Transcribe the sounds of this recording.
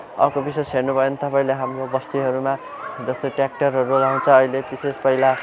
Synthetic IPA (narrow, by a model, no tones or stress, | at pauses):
ʌ̰rkobisesɦenubʱʌjent̪ʌpaĩleɦamrobʌst̪iɦʌɾuma | d͡zʌst̪ojʈrak̚ʈʌrɦʌɾulaw̃t͡sʰʌːɦilebisespʌila